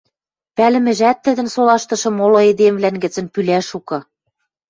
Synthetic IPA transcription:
pælɘ̆mɘ̆ʒæt̪ːɘ̆d̪ɘ̆nsolɑʃt̪ɤ̆ʃɤ̆molŏed̪emvlænɡɘ̆t͡sɘ̆npylæʃukɤ̆

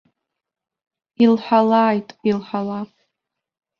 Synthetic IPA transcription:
ilħʷalaːjtʼilħʷalap

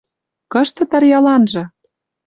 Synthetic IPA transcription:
kɤ̆ʃt̪ɤ̆t̪ɑrjɑlɑnʒɤ̆

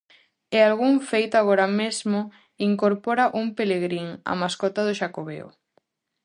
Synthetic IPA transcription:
ealɣuŋfejt̪oaɣ̞oɾamezmo | iŋkoɾpɔɾaʔumpeleɣ̞ɾiŋa̰maskɔt̪aðoʃakoβḛo̰

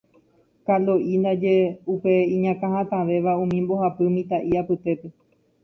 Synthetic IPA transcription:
kaloʔind̪ad͡ʒe̞upeĩɲãkãɦãt̪ãʋe̞ʋaũmĩmbo̞hapɨmĩt̪aʔiapɨt̪e̞pe̞

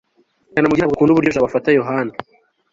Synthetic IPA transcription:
kaːnamuɡiabɡakuːnuβuɾɟoʒaβafatajoɦana

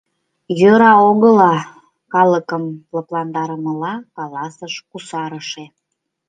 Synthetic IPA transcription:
jøɾɑoɣəlɑ | kɑləkəmləplɑnd̪ɑɾəməlɑkɑlɑsəʃkusɑɾəʃe

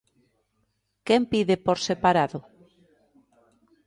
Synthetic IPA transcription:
kempiðepoɾsepaɾaðʊ

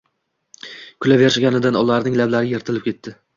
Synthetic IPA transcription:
kʰʊlaveɾʃaɡʲanɪd̪anɒlːaɾnɪŋlablaɾɪje̞ɾt̪ʰɪlɪp̚kʲe̞t̪ʰːɪ

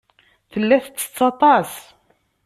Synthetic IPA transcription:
θəlːæθət͡sːə̥t͡sːɑt̪ˤɑs

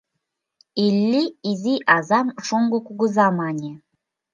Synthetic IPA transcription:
ilʲːiiziʔɑzɑmʃoŋɡokuɡuzɑmɑnʲe

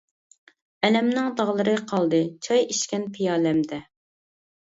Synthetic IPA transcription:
ɛlɛmnɪŋd̪ɑʁlˠɨɾɨqʰɑlˠd̪ɨt͡ʃʰɑjiʃkʲɛnpʰijɑːlɛmd̪ɛ

